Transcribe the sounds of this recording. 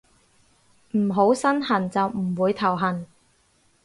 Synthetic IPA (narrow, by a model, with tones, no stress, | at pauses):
m̩˨˩ɦo˨˥wsɐ˥nhɐ˨˩nt͡sɐ˨wm̩˨˩wuː˨˧jt̪ʰɐ˨˩wɦɐ˨˩n